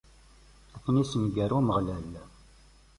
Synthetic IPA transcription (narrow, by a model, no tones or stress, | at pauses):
æθnisənɡəɾuməʁlæl